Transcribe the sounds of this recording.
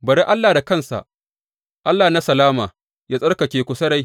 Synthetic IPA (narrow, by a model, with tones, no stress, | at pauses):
bɐ˨ɾe˦ʔa˦lːaː˨da˨kɐ˦nsa̰˨ʔ | ʔa˦lːaː˨na˦sɐ˨laː˦maː˨ | jaː˦sʼɐ˦rka˨kʲeː˨kʷʊ˨sɐ˦ɾa˦j